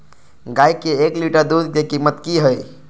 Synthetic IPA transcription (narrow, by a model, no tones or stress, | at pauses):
ɡajkeekliʈəɾd̪ud̪d̪ekimət̪kiɦəj